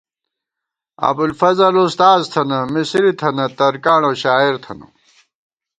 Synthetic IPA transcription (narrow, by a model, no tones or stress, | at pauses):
ɐ̰bulfɐzɐlust̪aːzt̪ʰɐnɐmisiɾit̪ʰɐnɐt̪ɐɾkaːɳoɕaːiɾt̪ʰɐ̰nɐ̰